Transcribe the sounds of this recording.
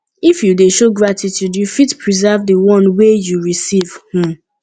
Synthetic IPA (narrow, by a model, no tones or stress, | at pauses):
ifjudeʃoɡɹatitjudjufitpʰɹizavdəwɔ̃nwejuɹisiv̥hĩm